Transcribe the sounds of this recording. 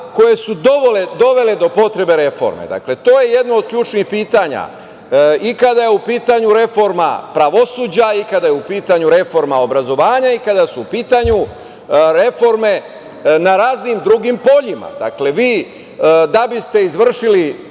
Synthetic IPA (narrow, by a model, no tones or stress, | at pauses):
ko̞je̞sud̪oʋoled̪o̞ʋe̞le̞d̪o̞po̞t̪ɾe̞be̞ɾe̞fo̞̰ɾmḛd̪a̰kle̞t̪o̞ːje̞je̞d̪nood̪̚kʎuːt͡ʃnixpiːt̪aɲa̰ | ikad̪ajeupiːt̪aɲuɾe̞fo̞ɾma̰pɾaʋo̞suːd͡ʑaikad̪ajeupiːt̪aɲuɾe̞fo̞ɾmao̞bɾazo̞ʋaːɲaikad̪asuupiːt̪aɲu | ɾe̞fo̞ɾme̞ | naɾaːznimd̪ɾuɡimpo̞ʎima̰d̪̥a̰kle̞ʋiː | d̪abist̪e̞izʋr̩ʃili